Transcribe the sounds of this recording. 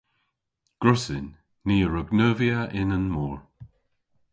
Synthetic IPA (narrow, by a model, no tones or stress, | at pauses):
ɡ̥ɹʊsɪnː | iːəɹəɡnəːviaʔɪnənmuːɹ